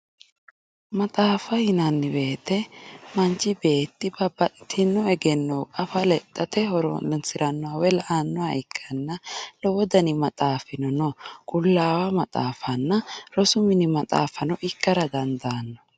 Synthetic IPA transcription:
mɐt̪ʼaːfɐhɪnɐnːɪbe̞ːt̪ːɛmɐnt͡ʃɪbe̞ːt̪ːɪbɐbɐt̪ʼɪt̪ʰɪnːɔɛɡɛnːɔwkʼɐfɐlɛt̪ʼːɐt̪ɛɦɔɾɔ̰nsɪɾɐnːɔwawɛlɐʔanːɔwaɪkʰːɐnːɐlɔwɔd̪ɐnɪmɐt̪ʼaːfɪnɔnɔkʼʊlːaːwɐmɐt̪ʼa̰ːfɐnːɐɾɔsʊmɪnɪmɐt̪ʼa̰ːfɐnɔʔɪkːɐɾɐd̪ɐnd̪anːɔ

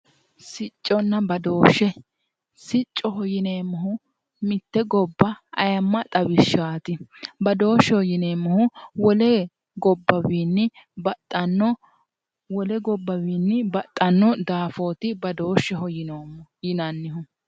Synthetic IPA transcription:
sɪt͡ʃʼːɔnːɐbɐd̪oːʃːɛ | sɪt͡ʃʼːɔɦɔjɪneːmːɐɦʊ | mɪt̪ːɛɡɔbːɐɐ̰jɐmːɐt̪ʼɐbɪʃːaːt̪ɪbɐd̪o̞ːʃːɛhɔjɪneːmːɔhʊwɔlɛ | ɡɔbːɐwiːnːɪ | bɐt̪ʼːɐnɔ | wɔlɛɡɔbːɐwiːnːɪbɐt̪ʼːɐnːɔd̪aːfo̞ːt̪ɪbɐd̪o̞ːʃːɛɦɔjɪnoːjɪnɐnːɪɦʊ

